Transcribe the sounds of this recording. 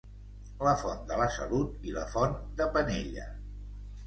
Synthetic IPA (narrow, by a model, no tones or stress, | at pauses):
ləfɔnd̪ələsəlut̪iləfɔnd̪əpəneʎə̰